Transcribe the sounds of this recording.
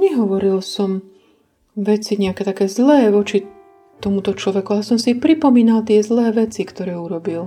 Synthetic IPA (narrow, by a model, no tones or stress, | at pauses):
ɲɛɦɔʋɔɾilsɔm | ʋɛt͡siɲɛakɛːt̪akɛːzlɛːʋɔt͡ʃi | t̪ɔmut̪ɔt͡ʃlɔʋɛkualɛsɔmsipɾipɔmiːnalt̪ɪɛzlɛːʋɛt͡sikt̪ɔɾɛːuɾɔbil